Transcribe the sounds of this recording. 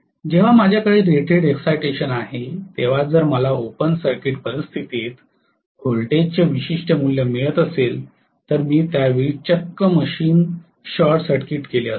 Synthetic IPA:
d͡ʑeʋ̤amad͡ʑʱjakəɭeːɾeʈeɽeksajʈeɕənaɦet̪eʋ̤ad͡zəɾməlaopənsəɾkiʈpəɾist̪ʰit̪et̪ | ɡolʈed͡ʑt͡ɕeʋiɕiʂʈəmuljəmeɭət̪əsel | t̪əɾmiːt̪jaʋit͡ɕəkːəməɕiːn | ɕɔɾʈsəɾkiʈkeleəs

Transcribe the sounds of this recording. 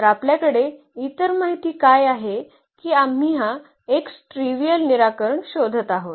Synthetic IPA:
əɾapljakəɽe | it̪əɾmaɦit̪iːkajaɦe | kiːam̤iɦã | eksʈɾiʋijəlniɾakəɾəɳɕod̪ʱət̪aɦot̪

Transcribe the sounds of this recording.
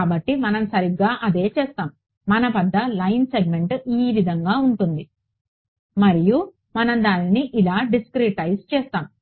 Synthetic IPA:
bɐʈːimɐnɐmsɐɾiɡaːʔɐd̪e̞ːt͡ʃɛːst̪aːm | mɐnɐpɐd̪ːɐlɐjnseɡ̚me̞ɳʈiːʋid̪ʱɐŋɡaːuɳʈund̪i | mɐɾiju | mɐnɐmd̪aːniniʔilaːɖiskɾiʈɐjst͡ʃɛːst̪aːm

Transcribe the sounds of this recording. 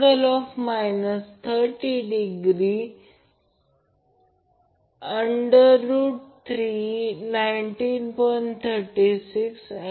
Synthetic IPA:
ɾəlɔfmajnəst̪ʰəɾʈiɖiɡɾi | əɳɖəɾuːʈt̪ʰɾinaiɳʈinpənt̪ʰəɾʈisiks

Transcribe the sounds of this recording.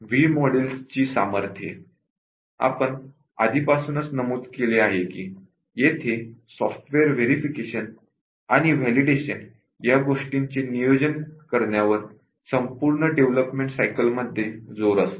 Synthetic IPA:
ʋiːmɔɽilst͡ɕiːsa̰məɾt̪ʰjḛ | a̰pəɳ | a̰d̪ʱiːpasuːnət͡snəmuːd̪keleaɦekiː | jet̪ʰesɔfʈʋeəɾʋeɾifikeɕən | aɽ̃iʋ̤ɛliɖeɕən | jaɡoʂʈiɲt͡ɕenijod͡ʑənkəɾɳjaʋəɾ | səmpuɾɳəɖeʋləpmẽɳʈsajkəlməd̪ʱːjed͡zoɾəs

